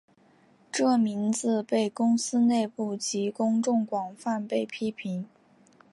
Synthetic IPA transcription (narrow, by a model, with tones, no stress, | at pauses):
ʈ͡ʂɤ˥˩mi˧˥nd͡zɹ̩˧pe˥˩ɪkʊ˥ŋsɹ̩˥ne˥˧ɪpu˥˩t͡ɕi˧˥kʊ˥ŋʈ͡ʂʊ˥˩ŋkwɑ˨˩ŋfa˥˧npe˥˩ɪpʰi˥pʰi˧˥ŋ